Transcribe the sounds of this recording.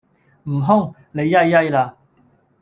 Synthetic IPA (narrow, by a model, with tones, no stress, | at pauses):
m̩˨˩ɦʊ˥ŋ | le˨˧jːɐ˥jːɐ˥jlaː˧